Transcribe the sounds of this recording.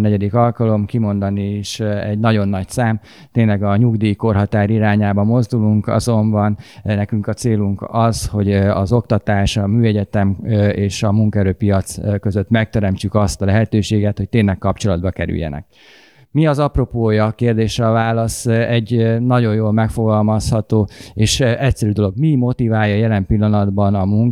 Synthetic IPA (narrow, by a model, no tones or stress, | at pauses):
nɛɟɛd̪ikɒlkɒlo̞mkimo̞nd̪ɒniːʃɛɟnɒɟo̞nːɒcsaːm | t̪eːnlɛɡɒɲuɡd̪iːko̞rɦɒt̪aːɾiɾaːɲaːbɒmo̞zd̪uluŋkɒ̰zo̞mbɒnnɛkyŋkɒt̪seːluŋkɒzho̞ɟɒ̰zo̞k̚t̪ɒt̪aːʃɒmyːɛɟɛt̪ɛmeːʃɒmuŋkɛɾøːpijɒt̪skø̞zø̞t̪mɛk̚t̪ɛɾɛmt͡ʃykɒst̪ɒlɛɦɛt̪øːʃeːɡɛt̪ho̞c̚t̪eːnːɛkːɒpt͡ʃo̞lɒd̪bɒkɛɾy̰jːɛ̰nɛ̰k̚ | miɒzɒpro̞poːjɒkeːrd̪eːʃɛːvaːlɒsɛɟnɒɟo̞jjoːlmɛkfo̞ɡɒlmɒshɒt̪oːeːʃɛcsɛɾyd̪o̞lo̞ɡmimo̞t̪ivaːjɒːjɛlɛmpilːɒnɒd̪bɒnɒmuŋk